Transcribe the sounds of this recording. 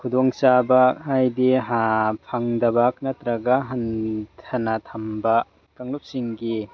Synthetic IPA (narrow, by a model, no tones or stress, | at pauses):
kʰudɔŋsabakhajdiɦapʰaŋdɐbak̚natɾaɡaɦantʰɐnat̪ʰamba | kaŋlup̚siŋɡi